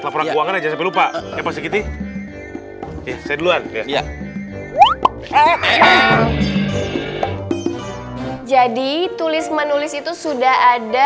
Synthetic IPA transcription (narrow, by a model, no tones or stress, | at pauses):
lapoɾankuaŋanad͡ʒasampɛlupaaapas̬ikit̪i | jasajaduluanaja | d͡ʒadit̪ulɪsmənulɪsit̪usudahada